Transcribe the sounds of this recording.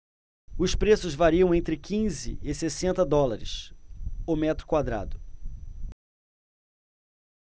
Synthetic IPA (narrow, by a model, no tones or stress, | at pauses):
ʊspɾesʊzvaɾiɐ̃w̃ẽnt̪ɾɪkʰĩzɪ̰ɪsesẽnt̪ɐd̪ɔlaɾɪ̰s | omɛt̪ɾʊ̥kwad̪ɾa̰d̪ʊ